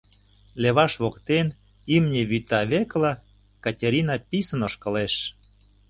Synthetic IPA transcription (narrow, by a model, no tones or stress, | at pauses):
leβɑʃβokt̪en | imnʲeβyt̪ɑβeklɑ | kɑtʲeɾʲinɑpisə̆noʃkə̆leʃ